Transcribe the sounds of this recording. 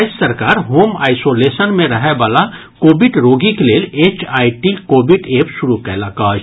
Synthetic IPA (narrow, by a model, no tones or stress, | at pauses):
aɪssɐɾkaːɾɦoːma̰ːɪsoːleːsənmẽɾɐɦɛbaːla | koːbɪɖɾoːɡikeleːleːt͡ʃaːiʈikoːbɪɖeːpsʊɾukɛlakaːd͡ʒ